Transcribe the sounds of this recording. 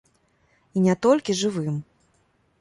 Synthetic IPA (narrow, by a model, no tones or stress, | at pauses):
inʲɛt̪ɔlʲkʲiʐɨvɨm